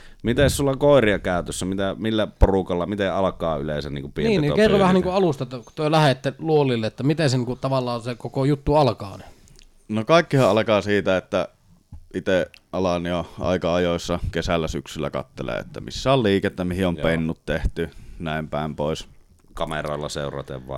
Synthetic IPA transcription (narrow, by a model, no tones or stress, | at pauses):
mit̪essulːɑkoˑeriɑkæˑøt̪øsːæmit̪æmilːæporukɑlːɑmit̪eʔʔɑlɑkɑːyleˑisænnḭːŋkupieiːnḭkerːoʋæhænniːkuʔɑlust̪ɑt̪ːt̪yølæhet̪ːeluolːilːeet̪ːæmit̪enseniːŋkut̪ɑʋɑlːˑɑːsekokojut̪ːuɑlkɑ̰ːny | nokɑˑikːihɑʔʔɑlɑkɑːsiːt̪æet̪ːæ | ʔit̪eʔɑlɑnioʔɑ̰ˑikɑɑjoˑesːɑkesælːæsyksylːæ̰kɑ̰t̪ːelḛːḛt̪ːæmḭsːæolliːket̪ːæmihiompenːut̪t̪eht̪ynæˑimpæˑempoˑes | kɑmero̰ˑelːɑ̰sḛˑurɑ̰t̪ḛʋʋɑ̰ˑ